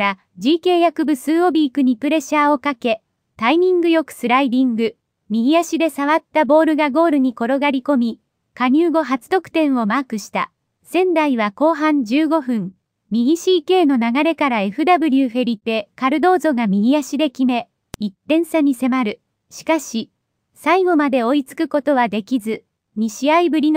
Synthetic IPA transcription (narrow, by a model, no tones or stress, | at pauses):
ɾa | d͡ʑiːke̞ːjakɯ̟bɯ̟sɨːo̞bʲiːkɯ̟ɲ̟ipɯ̟ɾe̞ɕaːo̞kake̞ | t̪aiɲ̟ĩŋɡɯ̟jo̞kɯ̟̥sɨɾaid̪ʲĩŋɡɯ̟ | mʲiɡʲijaɕid̪e̞saβ̞at̪ːabo̞ːɾɯ̟ɡaɡo̞ːɾɯ̟ɲ̟iko̞ɾo̞ɡaɾʲiko̞mʲi | kaɲ̟ʲɨːɡo̞ɦat͡sɨ̥t̪o̞kɯ̟̥t̪ẽ̞ɰ̃o̞maːkɯ̟ɕi̥t̪a̰ | sẽ̞nd̪aiβako̞ːɦãɲd͡ʑɨːɡo̞ɸɯ̟̃ɴ | mʲiɡʲiɕiːke̞ːno̞naɡaɾe̞kaɾae̞ɸɯ̟d̪abɯ̟ɾʲɯːɸe̞ɾʲit̪e̞kaɾɯ̟d̪o̞ːzo̞ɡamʲiɡʲiaɕid̪e̞kʲime̞ | it̪ːẽ̞ɰ̃saɲ̟ise̞maɾɯ̟ | ɕi̥kaɕi | saiɡo̞mad̪e̞o̞it͡sɨ̥kɯ̟ko̞t̪o̞β̞ad̪e̞kʲizɨ | mʲiɕiaibɯ̟ɾʲi